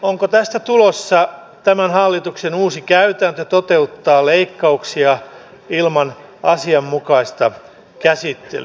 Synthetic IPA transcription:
oŋkot̪æst̪æt̪ulosːɑ | t̪æmænhɑlːit̪uksenuːsikæyt̪ænt̪øt̪ot̪e̞ut̪ːɑːleikːɑuksiɑ | ilmɑnɑsiɑmːukɑist̪ɑ | kæsit̪ːḛly

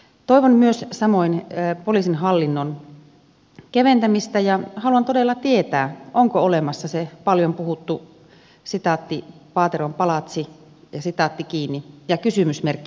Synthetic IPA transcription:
t̪oiʋonmyøssɑmoinpoliːˑsinɑlːinːon | keʋent̪æmist̪æjɑhɑluɑnt̪odelːɑt̪iet̪æːʔoŋkoolemɑsːɑsepɑljompuhut̪ːu | sit̪ɑˑt̪ːipɑːt̪erompɑlɑt̪si | jɑsit̪ɑˑt̪ːikiːnːijɑkysymysmerkːi

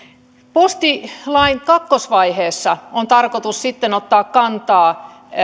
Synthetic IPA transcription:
post̪ilɑiŋkɑkːosʋɑiheːsːɑont̪ɑrkot̪ussit̪ːenot̪ːɑːkkɑnt̪ɑː

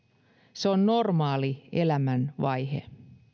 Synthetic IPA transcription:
seonːo̞rmɑːliḛlæmænʋɑjɦḛ

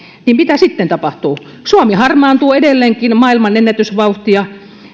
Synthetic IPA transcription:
niːmmit̪æsit̪ːent̪ɑpɑht̪uː | suɑmihɑrmɑːnt̪uːedelːeːŋkinmɑːilmɑnenːæt̪ysʋɑuht̪iɑ

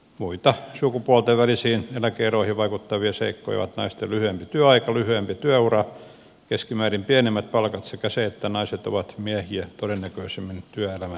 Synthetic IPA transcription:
muit̪ɑsukupuɑlt̪eʋʋælisiːnelækeeroihiʋʋɑikut̪ːɑʋieseikːo̰ioʋɑ̰t̪nɑ̰ist̪elyhyempit̪yæɑikɑlyhyempit̪yæurɑ | keskimæːrimpiænemːæt̪̚pɑlkɑt̪sekæseet̪ːænɑiset̪o̰ʋɑt̪miæhiæt̪odenːækøisemːint̪yæelæmæ

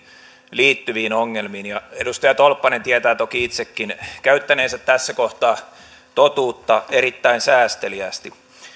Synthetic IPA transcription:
liːt̪ːyʋiːnoŋːelmiːnjɑedust̪ɑjɑt̪olpːɑnent̪iæt̪æːt̪okiit̪sekːinkæyt̪ːæneːsæt̪tæsːækoht̪ɑː | t̪ot̪uːt̪ːɑerit̪ːæinsæːst̪eliæst̪i

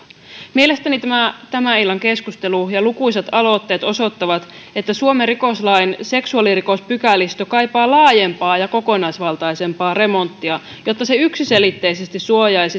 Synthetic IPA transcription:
mie̞le̞st̪ænit̪æmæt̪æmæilːɑŋke̞skust̪e̞lujɑlukuiset̪ɑlo̞t̪ːe̞ːt̪o̞so̞t̪ːɑʋɑt̪ | et̪ːæsuomeriko̞slɑinse̞ksuɑliriko̞spykælːist̪okɑjpɑːlɑːje̞mpɑːjɑko̞ko̞nɑisʋɑlt̪ɑjse̞mpɑːre̞mo̞nt̪ːiɑ | jo̞t̪ːɑseyksise̞lit̪ːe̞isest̪issuojɑjsi

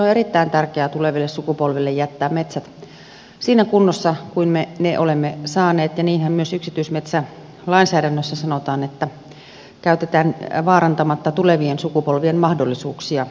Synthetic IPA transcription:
noerit̪ːæint̪ærkeæːt̪uleʋilːessukupolʋelːejæt̪ːæːmmet̪sæt̪ | siːnækunːosːɑkuinmeneʔolemːesɑːneːt̪jɑniːnhæmmyøsyksit̪yismet̪sæ | lɑinsæːɾænːøsːæsɑnot̪ɑːnet̪ːæ | kæyt̪et̪æːnʋɑːɾɑnt̪ɑmɑt̪ːɑt̪uleʋiensukupolʋienmɑhdolːisuːksiɑ

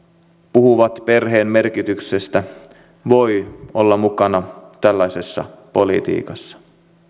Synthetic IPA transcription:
puɦuʋɑt̪pe̞rɦe̞ːmme̞rkit̪ykse̞st̪æ | ʋo̞jo̞lːɑmukɑnɑt̪ælːæjse̞sːɑ̰po̞lḭt̪ḭːkɑsːɑ̥

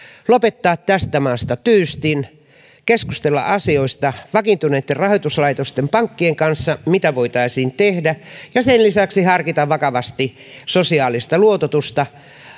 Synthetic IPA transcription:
lopet̪ːɑːt̪tæst̪æmɑːst̪ɑt̪yːst̪in | keskust̪elːɑ̰ʔɑsioist̪ɑʋɑkint̪uneːt̪ːerɑhoit̪uslɑit̪ost̪empɑŋkːieŋkɑnsːɑmit̪æʋoit̪ɑisiːnt̪ehdæjɑsenlisæksihɑrkit̪ɑʋʋɑkɑʋɑst̪i | sosiɑːlist̪ɑluot̪ot̪ust̪ɑ

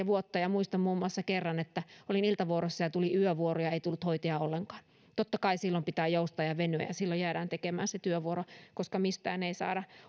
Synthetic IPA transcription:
ʋuot̪ːɑjɑmuist̪ɑmmuːmːuɑsːɑkerːɑnet̪ːæolinilt̪ɑʋuoɾosːɑjɑt̪uliyøʋuorojɑeit̪ulːut̪hoit̪eɑolːeŋkɑ̥ːn | t̪ot̪ːɑkɑisilːompit̪æːjoust̪ɑjɑʋenø̰jɑsilːojæːɾæːnt̪ekemæ̰ːnset̪yøʋuoɾokoskɑmist̪æ̰ːneisɑ̰ːɾɑ

